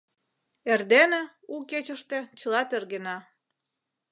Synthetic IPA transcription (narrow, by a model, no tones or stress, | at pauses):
erd̪ene | uket͡ɕəʃt̪et͡ɕəlɑt̪erɣenɑ